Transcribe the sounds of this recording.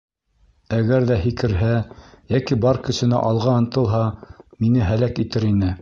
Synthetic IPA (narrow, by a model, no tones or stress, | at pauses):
æɡæɾðæhikɘ̆ɾɦæjækibɑɾkɵ̆sɘ̆næ̰ʔɑlˠʁɑɤ̆nt̪ɤ̆lˠɦɑminɘɦælækit̪ɘɾinɘ